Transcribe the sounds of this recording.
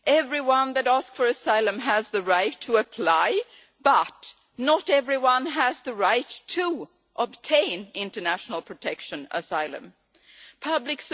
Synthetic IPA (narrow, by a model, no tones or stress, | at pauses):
ʔɛvɹiwʌ̃nðɨɾæskfə˞ɨsaɪlˠə̃məzðɨɹaɪtʰːəəpʰl̥aɪ | b̥ʌt | nəɾɛvɹiwʌ̃nəzðɨɹaɪtʰə | ʔəb̚tʰẽɪ̃nɪ̃ntə˞næʃn̩l̩ˠpʰɹ̥ɨtʰɛkʃɨ̃nə̰saɪlˠə̰̃m | pʰʌblɨks